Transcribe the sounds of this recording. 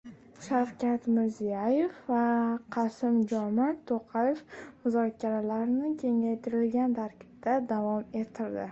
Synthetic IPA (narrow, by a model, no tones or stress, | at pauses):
ʃawkʲat̪mɪɾzijajefvaqʰɑsɪmd͡ʒɒmɪt̪ʰoqʰɑjefmʊzɒkʲʰaɾalaɾnɪkʲʰe̞ŋajt̪ʰɪɾɪlɡʲant̪ʰaɾkʲʰɪ̥b̚t̪ad̪avɒme̞t̪ʰːɪɾd̪ɪ